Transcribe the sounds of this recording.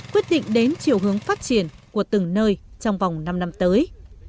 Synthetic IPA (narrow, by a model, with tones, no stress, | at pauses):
kwi˦˥ət̚ɗḭ˧˨ŋ̟ɗe˨˦nt͡ɕi˨˩əwɦɨ˨˦əŋfaː˦˥t̚t͡ɕi˧˩ənku˧˩ət̪ɨ˨˩ŋnəː˧jt͡ɕɔ˧wŋ͡mva˨˩wŋ͡mna˧mna˧mt̪əː˨˦j